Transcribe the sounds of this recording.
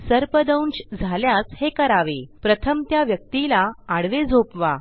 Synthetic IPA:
səɾpəd̪əwnɕd͡zʱaljat͡shekəɾaʋepɾət̪ʰəmt̪jaʋjək̚t̪ilaːɽʋed͡zʱopʋa

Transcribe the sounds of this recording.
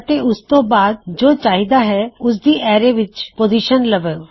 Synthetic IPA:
t̪eʔʊst̪õːbaːd̪d͡ʒoːt͡ʃaːɦid̪aɦɛːʊs̬d̪iːʔɛːɾeʋɪt͡ʃpoːziːʃənləʋeoː

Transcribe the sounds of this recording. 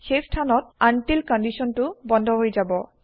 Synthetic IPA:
xepʰtʰanɔt̚antilkɔndisɔntʊbɔndʱɔɦojzabɔ

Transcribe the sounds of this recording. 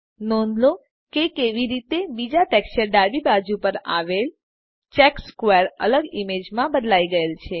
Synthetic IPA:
nɔnlo | kekeʋiɾit̪ebid͡ʒaʈɛkst͡ʃəɾɖaɾbibad͡ʒupəɾa̰ʋel | t͡ʃɛkskweɾə̰ləɡimed͡ʒmãbəd̪laiɡəelt͡ʃʰe

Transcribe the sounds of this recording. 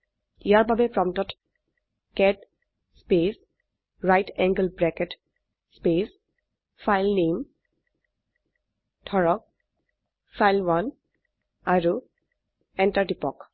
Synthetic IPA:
iaɹbabepɹɔmtɔt | kɛʈ | spes | ɹajtɛ̃ŋɡəlbɹɛket | spes | fajlnem | tʰɔɹɔk̚ | fajlwan | aɹu | ɛ̃ntaɹdipɔk

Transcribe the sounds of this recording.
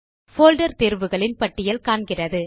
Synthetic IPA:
foːlɖɐɾt̪eːɾʋɯɣɐɭɪnpɐʈːɪjɐlkaːɳɡɪrɐðɯ

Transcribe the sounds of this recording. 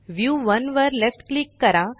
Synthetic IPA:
ʋjuːʋɐnʋəɾlefʈklikːɐɾã

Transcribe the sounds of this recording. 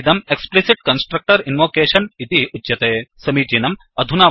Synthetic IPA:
d̪ɐmeksplisiʈ̚kɐnsʈɾɐk̚ʈɐɾinʋoːkeːʃɐnit̪iuɐt̪eːsɐmiːt͡ʃiːnɐm | ɐd̪ʱunaː

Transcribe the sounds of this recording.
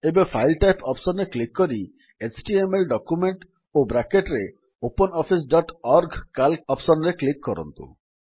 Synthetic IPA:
ebepʰajlʈajpɔpsɔnɾeklikːɔɾi | et͡ʃʰʈiemelɖɔkumeɳʈ | obɾakeʈɾe | opɔnɔpʰis̬ɖɔʈɔɾɡkalɔpsɔnɾeklikːɔɾɔ̰nt̪ṵ

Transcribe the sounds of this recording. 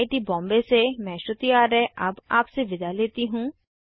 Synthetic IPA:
ɪʈibɔ̃ːmbesemɛ̃ːʃʊt̪ijaːɾɛɛʔɐbaːpseʋɪd̪aleːt̪iɦũː

